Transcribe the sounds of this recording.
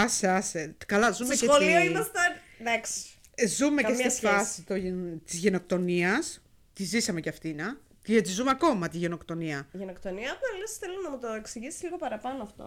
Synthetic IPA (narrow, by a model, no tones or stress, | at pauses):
ɐseɐsekɐlɐzumesexolioimɐst̪ɐ | ðɐks | zumekcesifɐsit̪ot̪izʝeno̞k̚t̪o̞niɐs | t̪izisɐme̞ceɐft̪inɐ | t̪iet̪izumeɐko̞mɐt̪iʝe̞no̞kt̪o̞niɐʝenokt̪oniɐɐpnlesθelunɐmut̪oeksiʝisi̥zliɣo̞pɐɾɐpɐnoɐft̪o̰